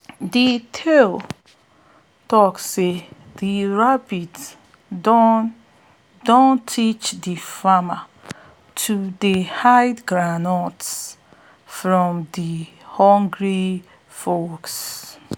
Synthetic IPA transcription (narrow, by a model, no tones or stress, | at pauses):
ditʰel | tɔkse | diɹabits | dõntʰit͡ʃdifama | tʰudehaɪdɡɹanɔts | fɹɔ̃mdihɔ̃ŋɡɹi | foks